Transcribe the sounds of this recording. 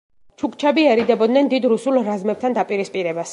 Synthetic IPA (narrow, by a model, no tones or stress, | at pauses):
t͡ʃʰukʰʼt͡ʃʰɛbiɛɾid̪ɛbɔd̪nɛnd̪id̪ɾusulˠɾazmɛp̚t̪ʰand̪apʼiɾispʼiɾɛbas